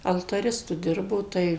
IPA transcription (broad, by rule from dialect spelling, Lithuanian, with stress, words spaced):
ɐlˠtɐˈrʲɪstʊ ˈdʲɪrboː ˈtɐɪ